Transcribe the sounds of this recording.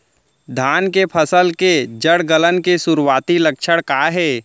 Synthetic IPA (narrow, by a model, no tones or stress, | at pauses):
d̪ʱaːnkepʰəsəlked͡ʒəɽɡələnkesʊɾwaːt̪ilɐkʃʰəɽkaːɦɛː